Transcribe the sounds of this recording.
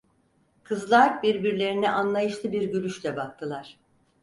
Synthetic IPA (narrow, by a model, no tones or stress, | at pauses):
kʰɯzlˠaɾbiɾbiɾlʲe̞ɾiniʔanlˠajɯʃlˠɯbiɾɟyɾyʃlʲɛbak̚t̪ʰɯlˠaɾ̥